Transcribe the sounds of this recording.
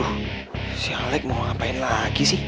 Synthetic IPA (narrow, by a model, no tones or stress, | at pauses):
sialek̚mɔapajlaːkisi